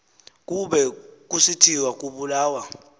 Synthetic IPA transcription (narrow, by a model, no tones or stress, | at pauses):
k̬ʼuɓɛk̬ʼusitʰiwak̬ʼuɓulaːwa